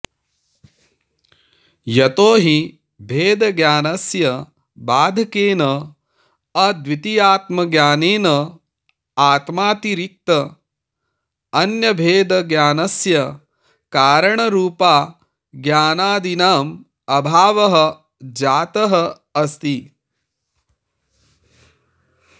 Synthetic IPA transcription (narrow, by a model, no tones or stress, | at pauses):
jɐt̪oːɦi | bʱeːd̪ɐɡjaːnɐsjɐ | baːd̪ʱɐkeːnɐ | ɐd̪ʋwit̪ijaːt̪mɐɡjaːneːnɐ | aːt̪maːt̪iɾik̚t̪ɐ | ɐnjɐbʱeːd̪ɐɡjaːnɐsjɐ | kaːɾɐɳɐɾuːpaː | ɡjaːnaːd̪inaːm | ɐbʱaːʋɐɦɐ̆ | d͡ʒaːt̪ɐɦɐ | ɐst̪i